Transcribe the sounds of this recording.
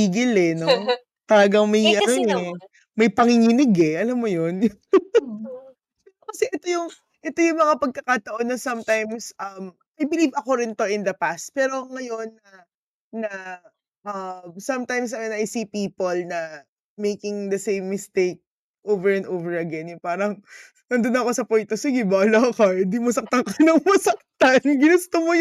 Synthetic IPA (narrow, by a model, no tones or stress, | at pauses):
piːɡɪlɛno | t̪ɐlɐɡɐŋmɐjʔɐnoɛ | mɐjpɐŋɪŋinɪɡɛʔɐlamːojon | pɛokɐsɛʔɛt̪o̞jʊŋ | ʔɛt̪o̞jʊŋmɐŋapɐɡ̚kɐkaːt̪ɐʔo̞nːɐsɐmt̪ajmsʔɐm | ʔɐjbɪliːbɐko̞ɾɪnt̪o̞ʔɪnd̪ɐpast̪̚pɛːɾo̞ŋɐjo̞nːɐ | nɐ | ʔɐmsɐmt̪ajms̬ɐjonɐʔɐsiːpiːpolnɐ | mejkɪŋd̪ɐsẽjmːɪst̪ejk̚ | ʔovɛɹɛ̃nd̪oːvɛɹɐɡɛnjʊŋpaːɾɐŋ | nɐnd̪onɐko̞sɐpojnt̪osɪɡɪbaːlakɐɪnd̪imɐsɐk̚t̪ɐŋkɐjnɐŋmɐsɐk̚t̪ɐnɡɪnɪst̪omoj